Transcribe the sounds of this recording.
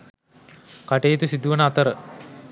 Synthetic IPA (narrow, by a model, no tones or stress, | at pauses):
kaʈejːt̪usid̪uʋənəat̪əɾə